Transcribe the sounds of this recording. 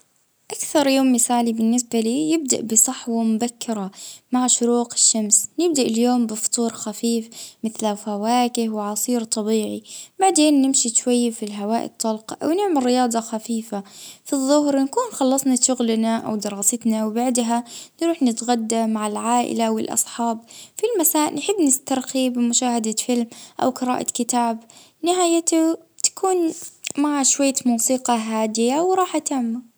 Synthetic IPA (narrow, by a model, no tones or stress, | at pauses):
ʔakθɑɾˤjoːmːɪsaːʕlibɪnːɪsbaliːjɪb̚d̪a̰ʔbɪsˤɑħwamʊbakːɪɾˤɑmaʕʃʊɾuːqɪ̥ʃːamsnɪb̚d̪aʔɪljoːmbɨft̪ˤuːɾxafiːfmɪθlafawaːkɪhwɪʕɑsˤiːɾt̪ˤɑbiːʕibaʕd̪eːnːɪmʃiʃwajːfilɦawaːʔɪ̰t̪ˤːɑlqɑʔa̰wnɪʕmɪlːɪjɑːd̪ˤɑxafiːfafiðˤːʊɦɾnakuːnxɑlːɑsˤnaʃʊɣlnaʔa̰wd̪ɪɾˤɑːsɪt̪nawbaʕd̪ɦanɾuːħnɪt̪ɣad̪ːamaʕɪlʕaːʔɪ̰laʔwɪlʔɑ̰sˤħɑːbfilmasaːʔʔlnħɪbːnɪst̪ɑɾˤxibɪmʊʃaːhad̪afɪlmʔa̰wqɨɾa̰ːʔa̰kɪt̪aːb | nɪɦaːjat̪a | t̪ḁkʰuːnmaʕaʃwajːamuːsiːqɑɦaːd̪ɪjawɾˤɑːħʔat̪amːa